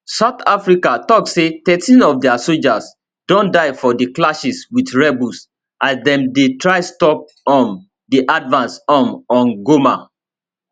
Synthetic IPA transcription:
saʊθafɹikatɔk̚tsetɛtʰĩnɔfdɛasold͡ʒas | dɔ̃ndaɪfɔdiklaʃiswidɹɛbus | ʔasdɛ̃mdetɹaɪstɔp̚ | ɔ̃n | diʔadvãnsɔ̃nɔ̃nɡoma

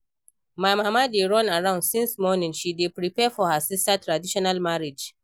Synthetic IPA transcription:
mamamadeɹɔ̃naɹãʊ̃ndsɪ̃nsmɔnɪ̃ŋʃidepɹipɛfɔhasɪstatʰɹadiʃɔnalmaɹid͡ʒ

